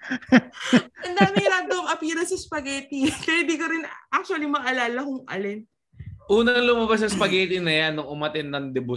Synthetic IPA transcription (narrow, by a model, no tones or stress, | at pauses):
ʔɐnd̪aːmɪŋɾaːd̪oɐŋʔɐpiːɾɐsɐspɐɡɛt̪ikɐhɪb̪ikoɾɪnʔak̚t͡ʃʊwɐlimɐʔɐlaːlɐkʊŋʔɐ̰lɛnt̪ | ʔuːnɐŋlʊmabas̬ɐspɐɡɛːt̪inɐjanːʊŋʊmɐt̪ɪnːɐŋd̪ɪbʊ